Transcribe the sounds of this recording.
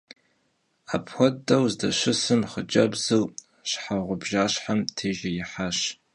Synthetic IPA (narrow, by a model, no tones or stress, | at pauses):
apʰxʷɔdɐwzdɐɕʷɪsɨmχəd͡ʒʼɐbzɨw | ɕħaʁʷʊbʒaːɕħamtʰeːʒɐjɪħaːɕ